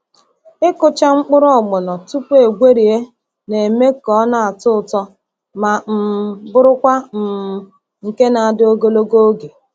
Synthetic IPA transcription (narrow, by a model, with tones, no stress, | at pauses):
ɪ˦kʊ˨t͡ʃa˦ŋ͡m̩˦k͡pʊ˦ɾɔ˦˨ɡ͡bʊ˨nɔ˨tu˦pe˨ɡʷe˦ɾi˨e˦ | ne˨me˦kɔ˦na˨a˨tʊ˦ʊ˨tɔ˦ | ma˨m̩˨bʊ˦ɾʊ˦kʷa˦m̩˨m˨ | ŋ̩˨ke˦na˨a˨dɪ˦o˦ɡo˦lo˦ɡo˦o˦ɡe˨